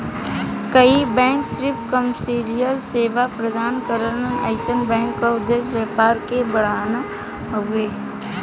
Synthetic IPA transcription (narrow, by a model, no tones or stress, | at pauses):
kəibɛ̃ːŋksɾɪpkəmsiɾijəlseːʋapɾəd̪ʱaːnkəɾənəna̰ɪsənbɛ̃ːŋkːaʊd̪ːesʋjəːpaːɾkebəɽ̤aːna | ueː